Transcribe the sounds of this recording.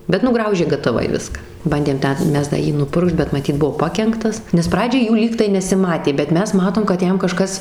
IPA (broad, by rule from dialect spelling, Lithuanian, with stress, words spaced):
bʲɛt nʊˈɡrɐʊʒʲeː ɡɐtɐˈʋɐɪ ˈʋʲɪskɐ ˈbɐnʲdʲeːm ˈtʲɛn ˈmʲɛs dɐ ˈjiː nʊˈpʊrkʃt bʲɛt mɐˈtʲiːt ˈbʊʋoː ˈpɑːkʲɛŋktɐs nʲɛs ˈprɑːd͡ʒʲɛɪ ˈjuː ˈlʲiːktɐɪ nʲɛsʲɪˈmɑːtʲeː bʲɛt ˈmʲɛs ˈmɑːtoːm kɐt ˈjɛm kɐˈʃkɐs